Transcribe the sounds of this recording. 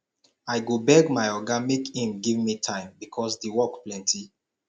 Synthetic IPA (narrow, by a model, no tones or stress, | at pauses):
aɪɡobɛɡmaɪɔɡamekhĩmɡivmitʰãɪ̃mbikʰɔsdewɔkplɛ̃ntʰi